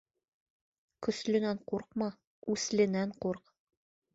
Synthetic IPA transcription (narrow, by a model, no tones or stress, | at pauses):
kɵ̆slɘ̆næɴquɾq̚mɑ | ʉslɘ̆næɴquɾq